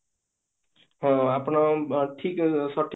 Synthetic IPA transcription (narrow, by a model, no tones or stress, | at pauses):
ɦʌ̃apnoʈʰiksʌʈʰː